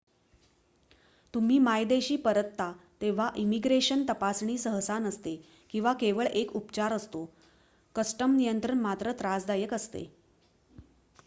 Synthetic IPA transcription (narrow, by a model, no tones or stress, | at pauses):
t̪um̤iːmajd̪eɕiːpəɾət̪ːat̪eʋ̤aʔimiɡɾeɕənt̪əpasɳiːsəɦsanəst̪e | kĩw̃ʋakeʋəɭekupt͡ɕaɾəst̪o | kəsʈəmnijənt̪ɾəɳmat̪ɾət̪ɾad͡zd̪ajəkəst̪ḛ